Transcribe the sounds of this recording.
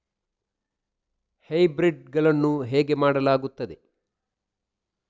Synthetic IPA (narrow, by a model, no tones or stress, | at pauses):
hɐjbɾiɖɡɐɭɐnːuɦeːɡe̞maːɽɐlaːɡut̪ːɐd̪e̞